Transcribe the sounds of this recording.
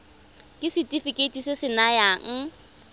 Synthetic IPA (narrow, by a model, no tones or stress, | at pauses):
kʼɪsɪtʼifɪkʼetʼisesɪnajaŋ̩